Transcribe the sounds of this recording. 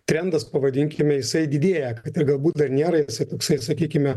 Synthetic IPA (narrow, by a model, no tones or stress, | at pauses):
t̪ʲɾʲɛnd̪ɐspɐʋɐd̪ʲɪŋʲkʲɪmʲɛjɪsɐɪd̪ʲɪd̪ʲeːjɛkɐt̪ɪɾɡɐlˠbuːt̪̚d̪ɐɾnʲeːɾɐjɪsɐɪt̪oːksɐɪsɐkʲiːkʲɪmʲɛ